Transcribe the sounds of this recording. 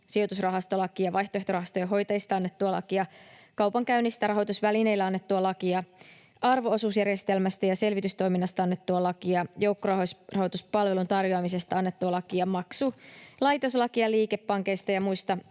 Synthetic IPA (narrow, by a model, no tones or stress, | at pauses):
sio̞t̪usrɑɦɑst̪o̞lɑkiɑʋɑjht̪oeht̪orɑhɑst̪ojɑɦo̞jt̪ɑjist̪ɑɑnːe̞t̪ːuɑlɑ̰kiɑkɑwpɑŋkæynːist̪ærɾɑɦo̞jt̪usʋæline̞jlːæɑnːet̪ːuɑlɑkiɑ | ɑrʋo̞osuːsjærjest̪e̞lmæst̪æjɑse̞lʋit̪yst̪o̞jminːɑst̪ɑɑnːet̪ːuɑlɑkiɑjo̞wkːorɑhosrɑhot̪uspɑlʋelunt̪ɑrjoɑmisest̪ɑɑnːet̪ːuɑlɑkiɑmɑksulɑjt̪o̞slɑkiɑliːkepːɑŋke̞jst̪ɑjɑmuist̪ɑ